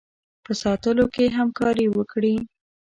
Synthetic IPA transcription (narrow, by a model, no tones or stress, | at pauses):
pəsɑt̪əlokeɦamkɑɾiwəkɽi